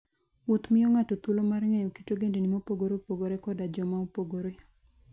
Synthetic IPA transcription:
wot̪mɪjoŋatot̪ulomarŋɛjɔki̥toɡendenimopoɡoɾopoɡoɾekɔdad͡ʒɔmaopoɡoɾe

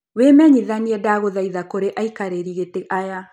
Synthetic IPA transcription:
wemɛɲiðaniɛdaɣoðaiðakoɾeʔaikaɾeɾiɣeteʔaja

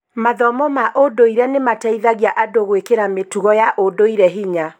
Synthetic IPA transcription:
maðɔmɔmaʔodoiɾɛnemataiðaɣjaʔadoɣwekeɾametuɣɔjaʔodoiɾɛɦiɲa

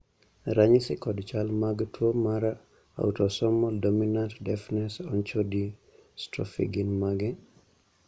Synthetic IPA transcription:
ɾaɲisɪkɔdt͡ʃalmaɡtwomaɾa | a̰utɔsɔmɔldominantdɛfnɛsɔnt͡ʃodi | stɾɔfḭɡinmaɡɛ

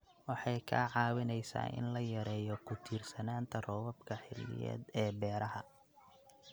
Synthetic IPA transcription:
wɑħɑjkʰa̰ːʕɑːwɪnɛjsa̰ːʔɪ̰nlɐjɐɾɛːjɔkʰʊt̪ʰiːrsɐnaːnt̪ʰɐrɔːwɐbkʰɐħɪ̰lːɪ̰jɛ̰ːd̪ɛːbɛːɾɐɦɐ

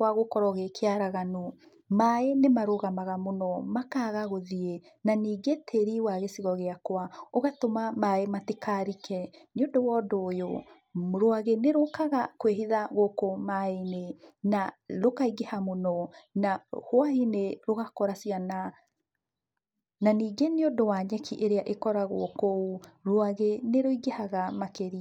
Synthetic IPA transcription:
waɣokɔɾɔɣekʰeaɾaɣano | maenemaɾoɣamaɣamonɔmakaːɣaɣoðie | naniːɡetʰeɾiwaɣesiɣɔɣeakwaoɣatomamaematikʰaɾikʰɛɲodowɔdojo̰ | moɾoaɣeneɾokaɣakweɦiðaɣokomainenaɾokaiɡehamonɔnahwaineɾoɣakɔɾasiana | naniːɡeneodowaɲɛkʰiʔeɾeaʔekɔɾaɣo̰kouɾoaɣeneɾoiɡehaɣamakeɾi

